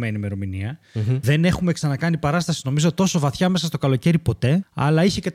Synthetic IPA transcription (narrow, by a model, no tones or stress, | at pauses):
me̞nime̞ɾo̞miniɐ | ðe̞ne̞xume̞ksɐnɐkɐnipɐɾɐst̪ɐsi̥no̞mizo̞t̪o̞so̞vɐθçɐme̞sɐst̪o̞kɐlo̞ce̞ɾipo̞t̪e̞ɐ̰lɐiçecet